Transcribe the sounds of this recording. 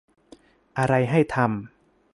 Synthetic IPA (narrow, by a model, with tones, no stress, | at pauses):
ʔa˧ɾa˧jɦa˥˩jt̪ʰa˧m